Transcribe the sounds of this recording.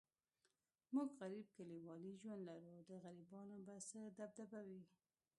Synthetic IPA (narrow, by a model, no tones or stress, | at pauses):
muɡɣaɾib̚kaliwɑliʒwand̪laɾud̪əɣaɾibɑnobasəd̪ab̚d̪abawi